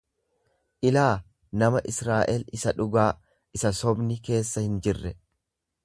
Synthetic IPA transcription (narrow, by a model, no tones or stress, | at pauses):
ʔɪlaː | nɐmɐʔɪsɾaːʔɛlɪsɐᶑʊɡaː | ɪsɐsɔbnɪke̞ːsːɐhɪnd͡ʒɪrːɛ